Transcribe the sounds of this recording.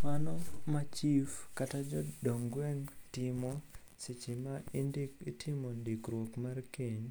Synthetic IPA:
manɔmat͡ʃifkatad͡ʒɔdoŋɡwɛŋtɪmɔ | sɪt͡ʃɪmandkitʰɪmɔndikɾwokmarkeɲ

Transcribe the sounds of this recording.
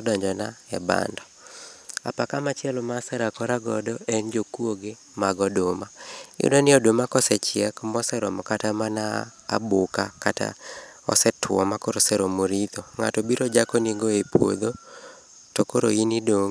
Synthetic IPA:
ɔdɔɲd͡ʒɔnaɛ̰ba̰ndɔ | apakamat͡ʃɪɛlmasɛɾakɔɾaɡɔdɔɛnd͡ʒokwoɡɪ | maɡɔdomaʊ̰danɪɔdomakɔsɛt͡ʃɪɛkmɔsɛɾɔmɔkatamana̰ː | bʊkakata̰ | ɔ̰sɛtwɔmakoɾosɛɾomoɾit̪oŋa̰tɔbiɾɔd͡ʒakɔniɡoepwo̰d̪o | tɔkoɾoinidoŋ

